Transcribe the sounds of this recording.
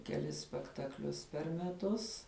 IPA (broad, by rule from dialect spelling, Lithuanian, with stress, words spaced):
kʲɛˈlʲɪs sʲpʲɛktɐkˈlʲʊs pʲɛr mʲɛˈtʊs